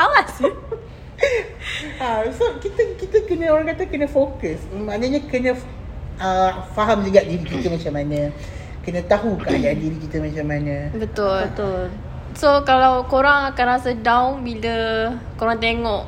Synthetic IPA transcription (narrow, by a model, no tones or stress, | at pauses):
awas | asəap̚kit̪əkit̪əkənə̃oɾaŋkat̪əkənəfokəsmanəɲə̃kənə̃ | əfaɦamd͡ʒəɡaʔdiɾikit̪əmat͡ʃamanə̃ | kənə̃t̪aɦukaʔadaadiɾikit̪əmat͡ʃamanə̃bət̪ʊlbət̪ʊl | sokalawkoɾaŋakanɾasədawnbilə | koɾaŋt̪eŋɔʔ